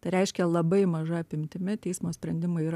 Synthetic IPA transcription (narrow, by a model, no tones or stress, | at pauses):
t̪ɐɪɾʲɛɪʃʲkʲɛlˠɐbɐɪmɐʒɐɐpʲɪmʲt̪ʲɪmʲɪt̪ʲɛɪsmoːsʲpʲɾʲɛnʲd̪ʲɪmɐɪiːɾ